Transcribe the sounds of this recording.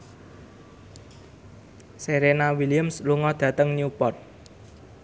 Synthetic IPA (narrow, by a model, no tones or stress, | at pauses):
seɾenawilijəmsluŋɔd̪̥ä̤t̪əŋnupɔrt̪̚